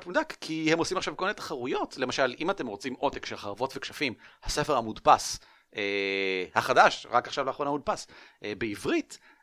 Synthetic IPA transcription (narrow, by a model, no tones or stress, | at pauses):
pmudakːʰihe̞mosimaχʃavkominet̪ḁχaʁujo̞tle̞maʃalimate̞mʁo̞t͡simʔo̞tekʃelχaʁavo̞tvekʃafimhase̞feʁamudpas | ehaχadaʃʁakaχʃavlaːχʁonamud̚pasʔebeivʁit